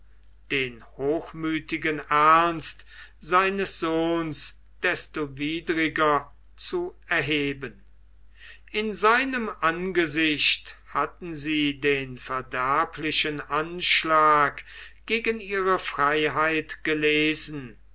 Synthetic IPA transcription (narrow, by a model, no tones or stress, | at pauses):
d̥eːnhoːxmyːtɪɡənæɐnst | z̥aɪnəsz̥oːns | d̥ɛstoviːdʁɪɡɐ | t͡suɛɐɦeːbən | ʔɪnzaɪnəmʔanɡəzɪʃthatn̩ziːdeːnfɛɐdæɐpʰlɪʃənʔanʃlaːkɡ̥eːɡəniːʁəfʁ̥aɪɦaɪtɡ̥əleːzn̩